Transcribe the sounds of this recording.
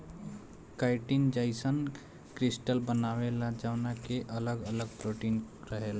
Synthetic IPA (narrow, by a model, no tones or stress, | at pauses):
kaɪʈind͡ʒaɪsən | kɾisʈəlbənawelad͡ʒawnakeʔələɡələɡ̚pɾoʈiːnɾəɦela